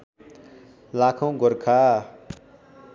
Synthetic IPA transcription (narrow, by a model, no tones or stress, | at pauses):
lakʰõɡɔɾkʰa